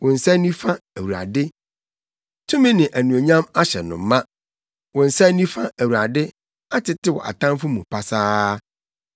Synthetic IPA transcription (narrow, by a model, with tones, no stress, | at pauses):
wɔ̃˨n̩˨sa˦nĩ˦fa˦æ˨wu˨a̰˨dɪ˦ | tʰũ˦mĩ˦nɪ̃˨ʔæ˨nũ˨o˨ɲã˦ma˦ɕɛ˨nʊ̰̃˨m̩˨˦mã˦ | wɔ̃˨n̩˨sa˦nĩ˦fa˦ʔæ˨wu˨ɾa˨dɪ˦ | a˦tʰɪ˨tɪ˦wɔ̰˨ʔa̰˨tʰã˦mfʊ˦mũ˨pʰa˨saː˦